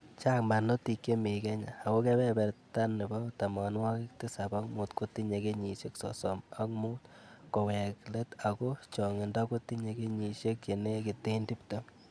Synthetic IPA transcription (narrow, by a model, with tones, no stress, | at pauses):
t͡ʃa˦kma˨no˦ti˧ke˦me˨kɛ˦ɲaː˨ko˦ke˦bɛ˦bɛ˨ɾta˦nːɪ˨ba˦ta˨ma˨nwa˦kɪ˦k̚ti˦sa˨ba˦kmu˨tko˦ti˦ɲe˨ke˦ɲi˨ʃe˦ksɔ̰˨sɔ˨ma˦kmu˦tkɔ˨wɛ˨kle˦ta˨ko˦t͡ʃɔ˨ŋɪ˨nda˦ko˦ti˦ɲe˨ɡe˦ɲi˨ʃe˦kje˨ne˦ki˨te˦ndi˦pto˦